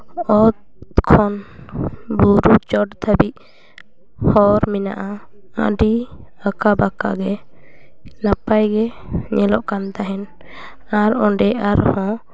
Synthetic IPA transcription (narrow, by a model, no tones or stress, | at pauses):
ɔt̪ | kʰɔn | buɾut͡ʃɔʈt̪ʰabiʔ̚ | hɔɾmina̰ʔaa̰ɖiakabaka̰ɡɛ | napajɡɛɲɛlɔʔkant̪aɦɛn | aɾɔɖɛʔaɾhɔ̃